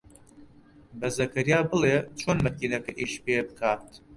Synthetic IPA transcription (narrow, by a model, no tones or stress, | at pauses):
bɐzɐkɐɾijaːbɨlet͡ʃʰoːnmɐkiːnɐkɐʔiʃpebɨkʰaːt̪